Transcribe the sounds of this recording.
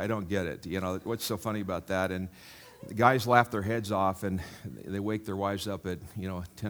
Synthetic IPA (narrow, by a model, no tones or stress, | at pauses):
ɪɾõʊ̃nɡ̥ɛɾɪ̰t̚jɨñoʊwʌtsoʊfʌñiɨbaʊt̪̚ðæɾɨ̃n | ðɨɡaɪzlæft̪̚ðə˞ɦɛdzɔfɨ̃nðeɪweɪk̚ðə˞waɪvzʌpɨt̚jɨñoʊtʰɛ̃